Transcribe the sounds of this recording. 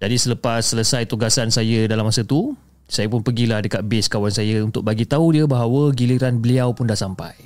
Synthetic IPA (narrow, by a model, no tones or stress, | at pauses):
d͡ʒadisələpasːələsajt̪uɡasansajədalamːasət̪u | sajəpʊnpəɡilahdəkat̪̚bɪskawansajəunt̪ʊk̚baɡit̪audiəbaɦawəɡiliɾanbəliawpʊndahsampa̰j